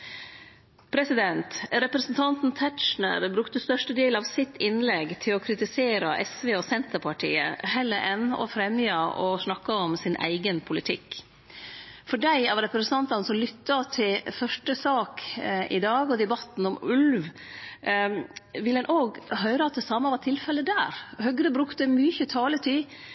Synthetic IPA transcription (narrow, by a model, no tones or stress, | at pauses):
pʰɾɛsɪd̪ɛnt̪ɾɛpɾɛsnt̪ʰɑnt̪n̩t̪ʰætʂɳə̰ɾbɾʉkt̪əst̪œʂʈəd̪eːlɑʋsɪt̪ːɪnlɛɡt̪ʰɪlɔkʰɾɪt̪ɪseːɾɑʔɛsʋeːɔsɛnt̪əpʰɑʈʰḭːə̰hɛlːəɾʔɛnːɔ̰fɾɛmjɑɔsɳɑkːɑɔmsɪnʔæ̰ɪɡənpʰʊlɪt̪ʰɪkː | fɔɖæɪɑʋɾɛpɾɛsənʰɑnt̪ɑnəsɔmlʏt̪ːɑt̪ʰɪlfœʂʈəsɑːkɪd̪ɑːɡɔd̪ɛbɑt̪ːn̩ɔmʉlʋ | ʋɪlɛnʔoːɡɦœʏɾəɑt̪̚d̪ɛsɑːmɑʋɑʈ̪ʰɪlfɛlːəd̪æːɾhœɡɾəbɾʉkt̪əmyçət̪ʰɑːlət̪ʰɪ